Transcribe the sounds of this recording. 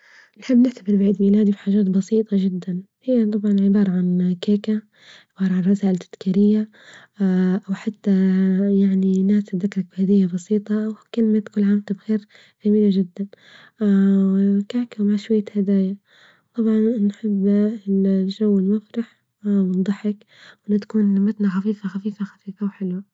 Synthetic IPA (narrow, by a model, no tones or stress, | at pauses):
nħɪbːnɪħt̪abɪɾbɪʕiːd̪miːlaːd̪ibħaːʒaːt̪bɑsiːt̪ˤɑʒɪd̪ːan | hɪjːat̪ˤɑbʕɑnʕɪbɑːɾˤɑʕankaːka | ʕɪbɑːɾˤɑʕanrˤɑsaːʔɪlt̪ʰːɪd̪̥kiɾɪjːa | ʔawħat̪ːajaʕninaːsðakɾˤɑk̚bhad̪ɪːjːabɑsiːt̪ˤɑʔawkɪlɪmat̪kʊlːʕaːmt̪abɣeːɾ | ʔamiːlaʒɪd̪ːan | kaːkawmaʃwajːahad̪aːja | t̪ˤɑbʕɑnnħɪbː | ʒawːɪlmafɾɑħ | mɪnd̪ˤɑħɪk | wʔɪnːat̪ḁkuːnmat̪naxafiːfaxafiːfaxafiːfawħɪlwa